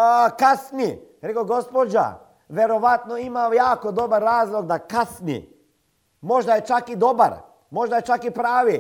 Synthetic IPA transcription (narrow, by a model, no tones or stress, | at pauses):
kasniɾekoɡo̞spod͡ʑa̰ | ʋeɾo̞ʋat̪noimajaːko̞d̪o̞baɾːaːzlˠoɡd̪akasnḭ | mo̞ʒd̪ajet͡ʃakid̪o̞ba̰ɾ | mo̞ʒd̪ajet͡ʃakipɾaːʋi